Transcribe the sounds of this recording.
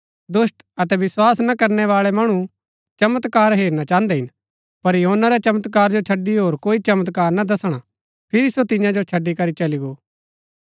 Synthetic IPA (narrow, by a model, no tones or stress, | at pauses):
d̪ʊsʈ | ɐt̪ɛʋɪswaːsnakɐɾnɛʋaːɭɛmɐɽ̃u | t͡ʃɐmət̪kaːɾɦeːɾnat͡ʃãːnd̪ɛɦɪ̃n | pɐɾjɐɦonːaɾɛt͡ʃɐmət̪kaːɾd͡ʒot͡ʃʰɐɖːiɦoːɾkoːit͡ʃɐmət̪kaːɾnad̪ɐsɽ̃a | pʰɪɾisot̪ɪ̃jãd͡ʒot͡ʃʰɐɖːikɐɾit͡ʃɐliɡoː